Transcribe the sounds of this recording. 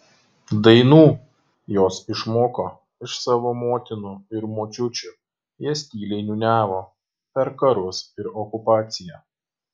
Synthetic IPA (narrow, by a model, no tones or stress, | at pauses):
d̪ɐɪnuː | joːsɪʃmoːkoː | ɪʃsɑːʋoːmoːt̪ʲɪnuɪɾmoːt͡ʃʲʊt͡ʃʲʊ | jiɛsʲt̪ʲiːlʲɛɪnʲunʲæːʋoː | pʲɛɾkɐɾʊsɪɾɔkʊpɑːt̪sʲɪjæː